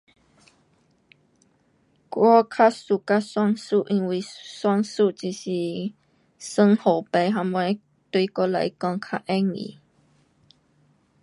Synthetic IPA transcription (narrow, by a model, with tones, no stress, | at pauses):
kʷwɔ˦kʰa˦su˨ka˦swa˦˥ŋsu˦˨ʔi˨ŋwi˨swa˦˧ŋsu˦˨ʔt͡ʃi˧˨si˧˨ | sə˦ŋho˨pɛ˧˩jɦa˧mw | t̪u˧˨˦ko˧la̰˨jkɔ˧˨ŋkʰa˧ʔɛ˦ŋḭ˨